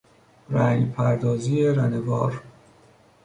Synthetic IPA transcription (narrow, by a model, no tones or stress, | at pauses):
ɾæŋpʰæɾd̪ɒːziːeɾænevɒːɾ